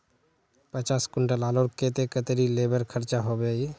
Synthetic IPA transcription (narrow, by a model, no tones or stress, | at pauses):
pət͡ʃaːskʊɳʈəlaːloɾket̪ekət̪ɾileːbəɾkʰəɾt͡ʃaɦobei